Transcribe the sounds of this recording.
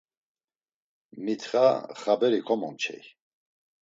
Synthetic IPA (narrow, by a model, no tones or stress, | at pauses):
mit̪ʰχaχabɛɾikʰɔmɔ̰mt͡ʃʰɛ̰j